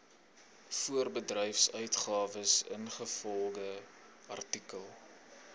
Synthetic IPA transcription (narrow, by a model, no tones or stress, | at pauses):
fuərbədrɛjfsœɥtχɑːvəsə̰nχəfɔlˠdəɐ̰rtikəlˠ